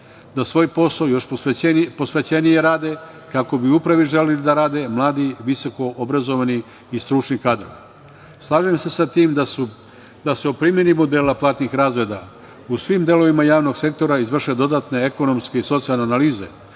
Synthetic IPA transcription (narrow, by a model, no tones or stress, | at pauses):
d̪asʋo̞ːjpo̞sajo̞ʃoepo̞sʋe̞t͡ɕe̞nije̞ɾaːd̪e̞ | kako̞biupɾaʋiʒe̞lelid̪aɾaːd̪e̞mlˠaːd̪iʋiso̞ko̞ʔobɾazo̞ʋaniː | st̪ɾut͡ʃnikaːd̪ɾo̞̰ʋi | slˠaːʒemse̞sat̪iːmd̪asu | d̪ase̞opɾimje̞nimod̪e̞ːlaplˠaːt̪nixɾaːzɾe̞ːd̪a | usʋimd̪e̞lo̞ʋimajaːʋno̞ɡse̞k̚t̪o̞ɾaizʋr̩ʃe̞d̪o̞d̪aːt̪ne̞eko̞no̞mske̞iso̞t̪sialneanaliːze̞̰